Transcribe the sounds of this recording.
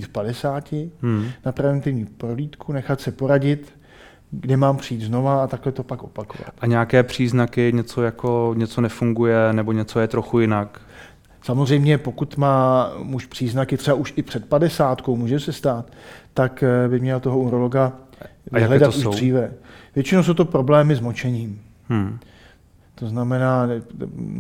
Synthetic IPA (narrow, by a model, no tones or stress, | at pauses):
iːt̪fpadɛsaːcɪnapɾɛvɛnt̪ɪvɲiːpɾoliːt̪kunɛxat̪sɛpo̞ɾaɟɪt̪ | ɡdɛmaːmpr̝ɪjiːt̪zno̞vaːt̪aklɛt̪o̞pakʔo̞pakov̰a̰t̪aɲɛjakɛːpr̝̥iːznakɪɲɛt͡sojakoɲɛt͡sonɛfuŋɡujɛnɛboɲɛt͡sojɛt̪ɾoxujɪnak | samozr̝ɛjmɲɛpo̞kut̪maːmuʃpr̥iːznakɪt̪r̥ɛbaʔuʃʔɪpr̝̥ɛt̪̚padɛsaːt̪kowmuːʒɛmsɛst̪aːt̪ːakbɪmɲɛlat̪oɦouɾoloɡavjɪaɦlɛdat̪uriːvɛvjɛt͡ʃɪnows̬owt̪opɾo̞blɛːmɪzmo̞t͡ʃɛɲiːm̩ | t̪o̞znamɛnaː